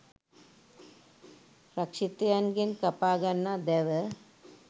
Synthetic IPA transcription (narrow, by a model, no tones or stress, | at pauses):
ɾɐkʂit̪eɐnɡenkɐpaːɡɐnːad̪eʋə